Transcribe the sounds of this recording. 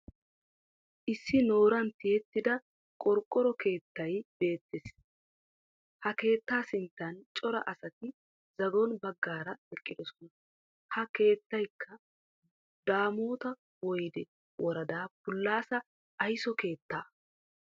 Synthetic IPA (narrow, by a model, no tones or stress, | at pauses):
ʔɪsːɪno̞ːɾɐnt̪ːɪjɛt̪ːɪd̪ɐ | kʼɔɾkʼːɔɾɔke̞ːt̪ːɐjb̥e̞ːt̪ːeːs | hɐke̞ːt̪ːaːsɪnt̪ːɐnt͡ʃʼɔɾɐ̰ʔɐsɐt̪ɪ | zɐɡɔnbɐɡːaːɾɐɛkʼːɪd̪ɔsɔ̥nɐ | hɐke̞ːt̪ːɐjkʰːɐ | d̪aːmoːt̪ɐ | wɔjd̪ɛ | wʔɔɾɐd̪aːpʊlːaːsɐ | ʔːjsɔke̞ːt̪ːaː